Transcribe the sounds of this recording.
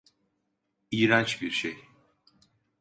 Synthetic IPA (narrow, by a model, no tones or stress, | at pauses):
iːɾat͡ʃbiɾʃej